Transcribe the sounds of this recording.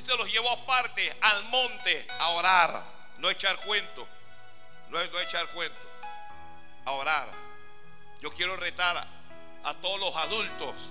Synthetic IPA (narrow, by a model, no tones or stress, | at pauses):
selosʝeβoapaɾt̪ealmõnt̪e | aoɾaɾ | noet͡ʃaɾkwent̪o | nonoet͡ʃaɾkwent̪o̥ | aoɾaɾ | jo̞kjeɾoret̪aɾ | a̰t̪oðolosaðult̪os